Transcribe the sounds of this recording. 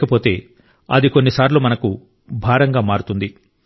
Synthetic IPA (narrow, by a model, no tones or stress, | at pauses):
kɐpo̞ːt̪e̞ː | ɐ̰d̪iko̞nːisaːɾloːmɐnɐku | bʱaːɾɐŋɡaːmaːɾut̪und̪i